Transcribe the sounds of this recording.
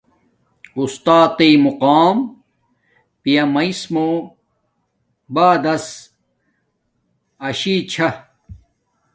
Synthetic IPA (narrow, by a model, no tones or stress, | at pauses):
ust̪aːt̪imuqaːm | pijɐmɐismo | baːd̪ɐs | ɐɕit͡ɕʰɐ